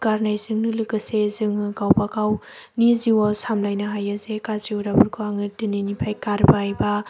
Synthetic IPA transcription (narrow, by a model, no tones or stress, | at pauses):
kaɾnajzɯŋnɯlɯɡɯsezɯŋɯkawpakaw | niziwasamlajnɐɦajazekaziwdabuɾkʰuaŋɯdɯninipʰajkaɾbaajba